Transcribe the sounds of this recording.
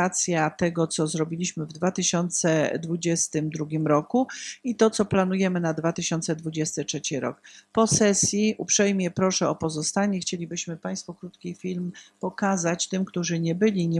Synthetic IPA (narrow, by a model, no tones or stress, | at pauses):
at̪sʲjat̪ɛɡɔt̪sɔzɾɔbʲilʲiɕmɘvd̪vat̪ɘɕɔnt̪sɛd̪vud͡ʑɛst̪ɘmd̪ɾuɡʲimɾɔkuit̪ɔt̪sɔplanujɛmɘnad̪vat̪ɘɕɔnt̪sɛd̪vud͡ʑɛst̪ɘtʂɛt͡ɕiɾɔ̰kpɔsɛsʲjiʔupʂɛjmʲjɛpɾɔʂɛɔpɔzɔst̪aɲɛxt͡ɕelʲibɘɕmɘpaj̃st̪fɔkɾut̪kʲifʲilmpɔkazat͡ɕt̪ɘmkt̪uʐɘɲɛbɘlʲiɲɛ